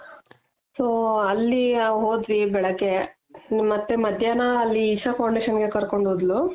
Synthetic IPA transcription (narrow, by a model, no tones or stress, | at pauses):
soːɐlːiɦoːd̪ʋibɛɭɐɡːe | mɐt̪ːemɐd̪ʱjanɐːlːiːʃɐfʰɐwɳɖiʃɐnɡe̞kɐɾko̞ɳɖɦoːd̪lu